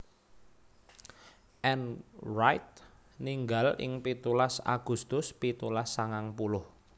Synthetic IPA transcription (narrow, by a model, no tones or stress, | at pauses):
ʔɛnrajt̪̚ | niŋɡalɪ̰ŋpit̪ulasa̰ɡ̥ṳst̪ʊspit̪ulasːaŋaŋpulʊh